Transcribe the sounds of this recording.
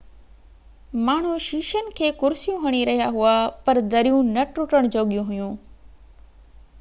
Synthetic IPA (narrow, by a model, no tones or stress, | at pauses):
maːɳ̤ũʃiːʃənɪ̆kʰeːkʊɾsijũɦɐɽ̃iɾɐɦijaɦuapɐɾd̪ɐɾijũnɐʈɾʊʈəɽ̃d͡ʑoːɠijũɦʊjũː